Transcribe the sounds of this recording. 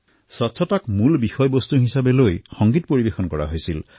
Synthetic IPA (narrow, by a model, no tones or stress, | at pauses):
sɔtsʰɔtakmulbixɔjbɔst̪uɦisabelojxɔŋɡit̪̚poɹibexɔnkɔɹa̰ɦojsil